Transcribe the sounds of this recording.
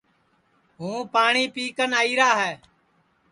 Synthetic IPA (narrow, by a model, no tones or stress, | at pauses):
ɦũːpaːɳiːpiːkənaːiːɾaːɦɛː